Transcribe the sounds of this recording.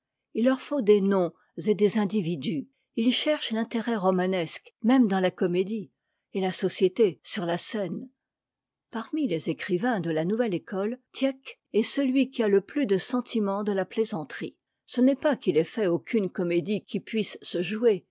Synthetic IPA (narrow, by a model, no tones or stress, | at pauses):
ilːœʁfod̪enɔ̃ | zed̪ezɛ̃d̪ivid̪y | ilʃɛʁʃlɛ̃t̪eʁɛʁɔmanɛskmɛmd̪ɑ̃lakɔmed̪i | elasɔsjet̪esyʁlasɛn | paʁmilezekχivɛ̃d̪əlanuvɛlekɔlt̪jɛk | ɛsəlɥikʲialəplyd̪əsɑ̃t̪ʰimɑ̃d̪əlaplezɑ̃t̪χi | sənɛpakilɛfɛokʲynkɔmed̪ikʲʰipɥisːəʒue